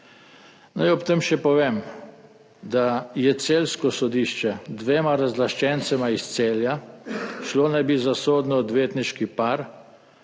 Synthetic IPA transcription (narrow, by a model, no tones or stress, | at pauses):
najɔpt̪əmʃɛpɔʋeːm | d̪ajɛt̪seːlskɔsɔd̪iʃt͡ʃɛd̪ʋeːmaɾazlaʃt͡ʃɛnt̪sɛmaist̪seːljaʃlonajbizasoːd̪nɔːd̪ʋeːt̪niʃkipaɾ